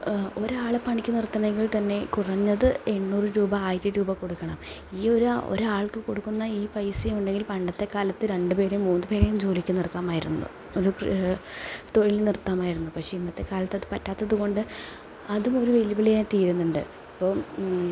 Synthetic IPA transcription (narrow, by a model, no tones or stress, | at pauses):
o̞ɾaːɭepɐɳikʲːɨnirt̪ːɐɳɐeŋɡiɭt̪ɐnːe̞kurɐɲːɐðɨeɳːuːrɨɾuːbɐaːjɾɨɾuːbɐko̞ɽukːɐɳɐm | iːo̞ɾuo̰ɾuaːɭkɨkoɽukːunːɐiːpɐjsijuɳɖe̞ŋɡilpɐɳɖɐt̪ːe̞kaːlɐt̪ːɨɾe̞ɳɖɨpe̞ːɾumːuːnːɨpe̞ːɾejumd͡ʑo̞ːlikʲːɨnirt̪ːaːmaːjiɾṵnːṵ | oɾuk | t̪o̞ɻilnirt̪ːaːmaːjiɾunːupɐkʂe̞inːɐt̪ːe̞kaːlɐt̪ːɐðɨpɐtːaːt̪ːɐðuɣo̞ɳɖɨ | ɐðumo̞ɾuʋelibɐɭijaːnt̪iːɾunːuɳɖɨ̰ | ɐpːo̞ː